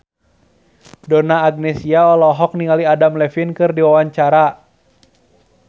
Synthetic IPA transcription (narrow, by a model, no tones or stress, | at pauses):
dɔnaːɡ̚nɛsiaɔlɔɦɔk̚niŋaliadamlɛfinkɨrdiwawaɲt͡ʃaɾa